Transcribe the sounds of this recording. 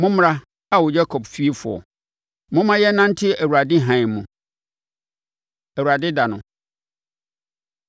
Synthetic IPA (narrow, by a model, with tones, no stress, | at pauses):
mʊ̃˦m˦ɾa˦ | a˦˨wʊ˨d͡ʑa˦kʰɔ˨bfi˦e˦fʊ̰˨ɔ̰˨ | mʊ̃˦mã˦jɛ˦nã˦n̩˦tʰɪ˦˨æ˨wu˨ɾa˨dɪ˦ɦã˨ɪ̃˨mʊ̃˨ | æ˨wu˨ɾa˨dɪ˦da˨nʊ̃˨